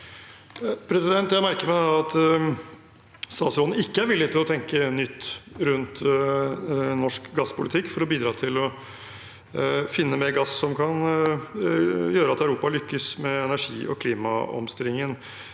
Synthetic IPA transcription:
pʰɾɛsɪd̪ɛnt̪jæɪmæɾkəɾmɛd̪ɛɑt̪ | st̪ɑːsɔd̪n̩ɪkːəæɾʋɪlːɪət̪ɪlɔt̪ʰɛŋkənʏt̪ːɾʉnt̪ | nɔʂkɡɑspʰʊlɪt̪ʰɪkːfɔɾɔbiːd̪ɾɑːt̪ʰɪlɔ | fɪnːəmeɾɡɑsːɔmkʰɑn | jøːɾəɑt̪æʉɾuːpɑlʏkːəsmɛɛnæʂḭːʔɔ̰kʰliːmɑ̰ɔ̰mst̪ɪlɪŋːən

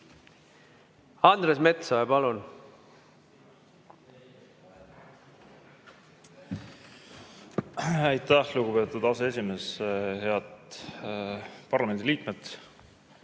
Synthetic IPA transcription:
ɑnd̪ɾesme̞t̪sɑjɑpɑlun | æjt̪ːæhluɡupe̞ːt̪ˑud̪ɑsee̞s̬ʲime̞ːshe̞ɑt̪ | pɑrlɑme̞nd̪̥iliːk̪met̪

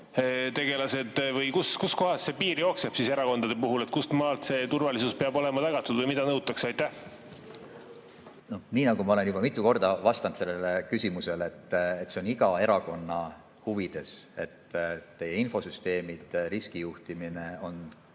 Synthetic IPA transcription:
t̪e̞ɡ̥e̞lɑse̞d̪vɤjkuskusko̞ɦɑsːe̞piːɾjo̞ːkseb̥sise̞ɾɑko̞nd̪ɑd̪epuɦulet̪kust̪mɑːlt̪se̞ːt̪urvɑlisuspeɑbo̞lɛmɑt̪ɑɡ̥ɑt̪ːˑud̪vɤjmid̪ɑnɤwt̪ːˑɑksɑjt̪ːæh | no̞niːnɑɡumɑo̞le̞nub̥ɑmit̪ːˑuko̞rd̪̥ɑvɑst̪ɑnt̪se̞lːe̞lekysʲimuse̞let̪ːet̪ːˑseo̞niɡɑe̞ɾɑko̞nːɑ | huvid̪̥e̞se̞̰t̪ːt̪e̞jeinfo̞syst̪e̞ːmid̪̥ɾiskijuht̪imine̞o̞n

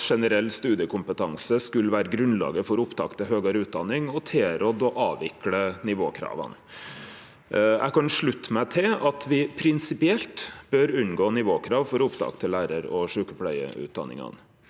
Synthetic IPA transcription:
ʂɛnəɾɛlːst̪ʉːd̪ɪəkʰʊmpət̪ʰɑŋsəskʉlːəʋæːɾəɡɾʉnlɑ̰ːɡəfɔɾʊpt̪ʰɑ̰ːkt̪ʰɪɦøːɡɑɾʉːt̪̚d̪ɑnːɪŋɔt̪ʰeːɾɔd̪ɔʔɑːʋɪklənɪʋoːkʰɾɑ̰ːʋə̰n | ʔæ̰ɪkɑnʂɭʉt̪ːmæɪt̪ʰɪlɑt̪ʰʋɪpʰɾɪnsɪpɪɛlt̪b̥øɾʉnɡoːnɪʋoːkʰɾɑːʋfɔɾʊpd̪ɑ̰ːkt̪ʰɪlːæːɾəɾɔʂʉːkəpʰlæ̰ɪə̰ʉ̰ːt̪̚d̪ɑ̰nɪ̰ŋɑ̰n

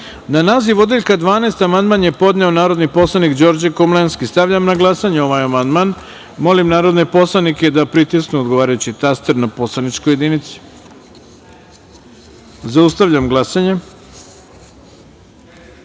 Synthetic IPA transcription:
nanaːziʋod̪eʎkad̪ʋaːnest̪amand̪manjepo̞d̪ne̞o̞naːɾo̞d̪nipo̞slˠanikd͡ʑo̞ɾd͡ʑakomlenskist̪aʋʎamnaɡlˠasaɲeo̞ʋajamand̪man | mo̞limnaːɾo̞d̪nepo̞slˠaniked̪apɾit̪isknuod̪ɡo̞ʋaːɾajut͡ɕit̪ast̪eɾnapo̞slˠanit͡ʃkojed̪init̪si̥ | zaust̪aʋʎamɡlˠasaɲe

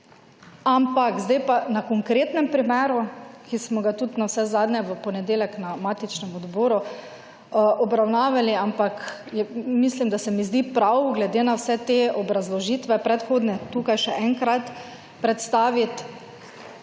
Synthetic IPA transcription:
ampakzd̪ajpanakɔŋkɾeːt̪nɛmpɾimɛːɾukismɔɡat̪ut̪nawsɛzaːd̪nɛʋəpɔnɛd̪eːljɛknamaːt̪it͡ʃnɛmɔd̪boːɾu | ʔɔbɾawnaːʋaliampakjɛmislimd̪asɛmizd̪ipɾawɡlɛd̪eːnawsɛt̪eɔbɾazlɔʒiːt̪ʋɛpɾɛt̪xoːd̪nɛt̪ukajʃɛʔɛŋkɾat̪ | pɾɛt̪st̪aːʋit̪

